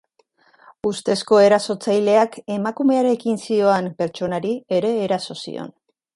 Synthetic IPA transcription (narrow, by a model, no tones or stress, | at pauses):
ust̪e̞sko̞e̞ɾaso̞t͡sajle̞ake̞makume̞aɾe̞kinsio̞ampe̞ɾt͡ʃo̞naɾie̞ɾe̞ːɾaso̞sḭo̞̰n